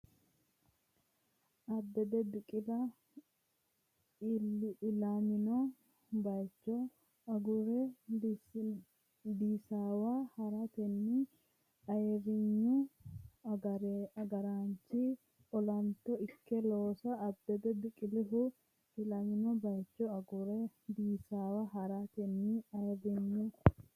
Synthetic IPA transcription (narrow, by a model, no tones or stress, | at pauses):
ʔɐbːɛd̪ɛd̪ʊkʼɪlɐ | lɪlaːmɪnɔ | bɐjt͡ʃːɔ | ɐɡʊɾɛ | d̪iːsaːwaːhɐɾɐt̪ɛnːɪ | ɐɛrɪɲːʊ | ɐɾɛɐɡɐɾaːnt͡ʃːi | ɔlɐnt̪ɔɪkːɛloːsɐːbd̪ɛd̪ɛd̪ɪkʼɪlɪɦʊ | ɪlamɪnɔbɐjt͡ʃːɔɐɡʊɾɛd̪iːsaːwaɦɐɾat̪ɛnːiɐjɛrɪɲːʊ